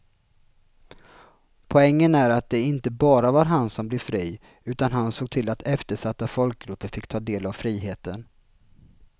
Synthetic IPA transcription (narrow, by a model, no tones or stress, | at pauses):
pʰɔɛŋːənæɾat̪̚d̪ɛɪnt̪əbɑːɾavaɾɦansɔmblɪɾfɾiː | ʉ̟ːt̪anɦansoːɡ̚t̪ʰɪlːat̪ʰɛft̪əʂat̪ːafɔlk̚ɡɾɵpːəɾfɪkːt̪ʰɑːd̪eːlavfɾiːɦeːt̪ən